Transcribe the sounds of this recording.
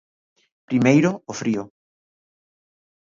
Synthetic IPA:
pɾimejɾoofɾio

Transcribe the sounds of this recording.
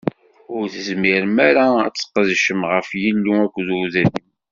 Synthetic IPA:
ʊɾθəzmɪɾmæɾaæt͡sːə̥qːðʃəmʁəfjəlːiækʷːðʊðæðəm

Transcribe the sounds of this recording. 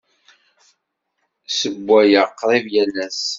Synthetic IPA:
səɡʷːæjəqːɾˤivjælæs

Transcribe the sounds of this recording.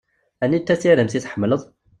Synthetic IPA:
ænːit̪ːæsiɾəmsit̪ħəmːələðˤ

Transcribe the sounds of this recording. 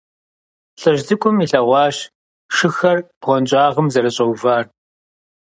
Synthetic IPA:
ɬʼɐʒzɨkʷʼʊmiɬɐʁʷɑːɕ | ʂɨxɐrb̥ʁʷɔnt͡ʃʼɑːʁəmzɐɾɐɕʼɐwvaːr

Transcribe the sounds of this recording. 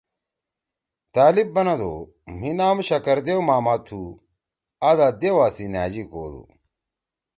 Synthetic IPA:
t̪aːlib̚ːɐnɐd̪o̰ː | minaːmɕɐkɐɾd̪ewmaːmɐt̪ʰːu | aːd̪aːd̪ewaːsinaːd͡ʑikoːd̪ṵ

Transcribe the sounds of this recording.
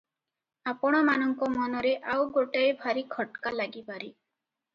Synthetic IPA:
apɔɽ̃ɔmanɔŋkɔmɔnɔɾeʔawɡoʈajbʱaɾikʰɔʈkalaɡipaɾi

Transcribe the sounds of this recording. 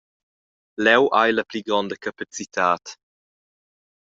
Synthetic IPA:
lɛwʔajləpliɡɾɔnd̪əkʰapat͡sit̪ʰaːt̪

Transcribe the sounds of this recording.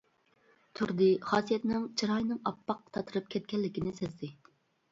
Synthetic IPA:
t̪ʰyɾd̪ɨχɑːsijɛt̪nɪŋt͡ʃʰiɾɑjnɨŋɑpːɑqt̪ʰɑt̪ʰɨɾɨp̚kʲʰɛt̪̚kʲɛlːɪkʲinɪsezd̪ɪ

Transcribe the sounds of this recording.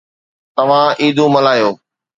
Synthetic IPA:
t̪ɐʋ̤ãʔiːd̪ʱũːmɐlaːjoː

